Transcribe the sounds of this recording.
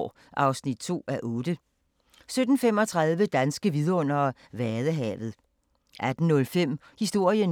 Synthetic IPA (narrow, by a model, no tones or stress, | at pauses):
ʔɑ̈ʊsnid̥̚t͡sʰo̝̰ːæʔɔːd̥ə | sød̥n̩femɒ̽t͡sʰʁɑ̈ðˠʋəd̥ænsɡ̥əʋið̞ˠɐɔ̽n̰ɐ | ʋæɐðˠəɦɛ̰ːʋð̞̩ˠ | ʔæd̥n̩nɔ̽lfem̰ | hisd̥o̝ɐ̰jən